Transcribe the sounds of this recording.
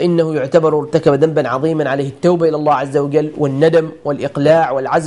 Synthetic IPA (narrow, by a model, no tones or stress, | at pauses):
ʔɪnːahʊjʊʕt̪abɑɾˤwɪɾˤt̪akabad̪ambanʕɑðˤiːmanʕaleːhɪt̪ːawbaʔɪlalˤːaːʕazːawad͡ʒalːwʔɪnːad̪amwɪlʔɪqlaːʕwɪlʕaz